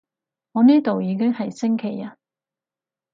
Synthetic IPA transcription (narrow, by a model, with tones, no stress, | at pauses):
ŋɔː˨˧niː˥t̪o˨wjiː˨˧k̬ɪ˥ŋhɐ˨jsɪ˥ŋkʰe˨˩jɐ˧˥